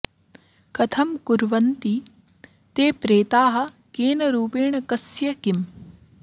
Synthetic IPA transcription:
kɐt̪ʰɐmkuɾʋɐnt̪i | t̪eːpɾeːt̪aːɦɐ̆ | keːnɐɾuːpeːɳɐkɐsjɐkim

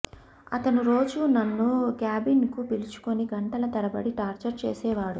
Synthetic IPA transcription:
ɐt̪ɐnuɾo̞ːd͡ʒunɐnːukjaːbinkupilit͡ʃu̥koniɡɐɳʈɐlɐt̪ɐɾɐbɐɽiʈaːɾt͡ʃɐɾt͡ʃeːsɛːʋaːɽu

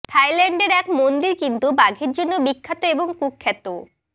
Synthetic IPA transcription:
t̪ʰajlɛɳɖeɾɛkmond̪iɾkint̪ubaɡʱeɾd͡ʑonːobikʰːat̪oeboŋkukʰːɛt̪o

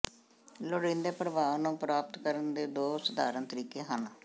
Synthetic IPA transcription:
lʊɽĩːnd̪eːpəɾəʋaːʋnũːpɾaːpt̪kəɾənd̪eːd̪oːsəd̪aːɾənt̪əɾiːkeːɦən

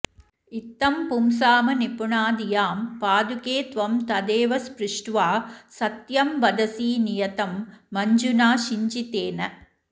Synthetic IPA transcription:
ɪt̪ːɐmpumsaːmɐnɪpʊɳaːd̪ɪjaːmpaːd̪ukeːt̪ʋɐmt̪ɐd̪eːʋɐspɾɪʂʈʋaːsɐt̪jɐmʋɐd̪ɐsiːnɪjɐt̪ɐmːɐɲd͡ʒunaːʃiɲd͡ʒit̪eːnɐ

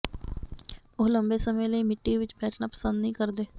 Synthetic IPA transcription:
oːləmbeːsəməẽjləiːmɪʈːiʋɪt͡ʃbɛːʈʰnaːpə̥sə̃nd̪nəɦĩːkəɾd̪eː

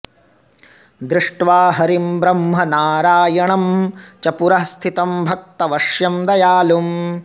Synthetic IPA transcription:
d̪ɾɪʂʈʋaːɦɐɾimbɾɐmɦɐnaːɾaːjɐɳɐmt͡ʃɐpuɾɐst̪ʰit̪ɐmbʱɐk̚t̪ɐʋɐʂjɐmd̪ɐjaːlum

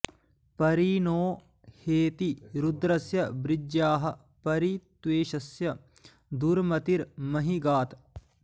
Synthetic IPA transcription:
pɐɾinoː | heːt̪iɾud̪ɾɐsjɐbɾɪd͡ʒjaːɦɐ̆ | pɐɾit̪ʋeːʃɐsjɐ | d̪uɾmɐt̪iɾmɐɦiɡaːt̪

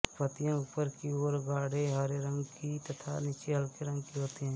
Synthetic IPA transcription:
pət̪ijãʊpəɾkioːɾɡaːɽeɦəɾeɾə̃ŋɡkit̪ɐt̪ʰa̰nɪt͡ʃeɦəlkeɾə̃ŋɡkiɦoːt̪iɦɛ̃ː

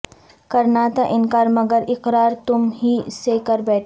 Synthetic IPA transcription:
kɐɾnaːt̪aʔɪnkaːɾmɐɡəɾɪqɾaːɾt̪ʊmɦisekəɾbɛːʈʰ

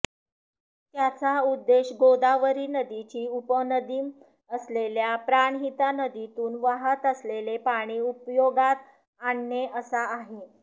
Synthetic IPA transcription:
t̪jat͡saud̪ːeɕɡod̪aʋəɾiːnəd̪it͡ɕiːupənəd̪iːm | əsleljapɾaɳɦit̪anəd̪it̪uːnʋaɦət̪əslelepaɽ̃iːupjoɡat̪ | aɳːeʔəsaːɦe

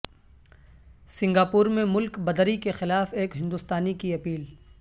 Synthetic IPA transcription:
sɪ̃ŋɡaːpuːɾmẽmʊlkbɐd̪ɾikexɪlaːfeːkɦɪ̃nd̪ʊst̪aːnikiɐpiːl

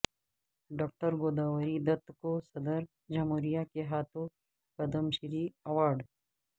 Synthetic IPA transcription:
ɖɔːk̚ʈəɾɡoːd̪aːʋəɾid̪ɐt̪kosɐd̪əɾ | d͡ʒamoːɾijakeɦaːt̪ʰõ | kɐd̪əmʃɪɾiɐʋaːɾɖ

